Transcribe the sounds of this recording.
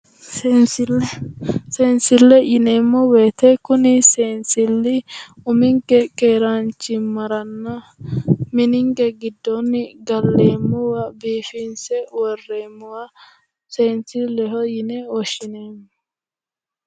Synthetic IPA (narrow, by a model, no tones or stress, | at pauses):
sens | seːnsɪlːɛjɪneːmːɔweːt̪ɛkʊnɪseːnsɪlːɪʊmɪŋkɛkeːɾant͡ʃːɪmɐɾɐnːɐ | mɪnɪŋɡɛɡɪd̪ːɔnːɪɡɐlːeːmːɔwabiːfɪnsɛwɔrːeːmːʊwa | seːnsɪlɛɦɔjɪnɛɔʃɪneːmːɔ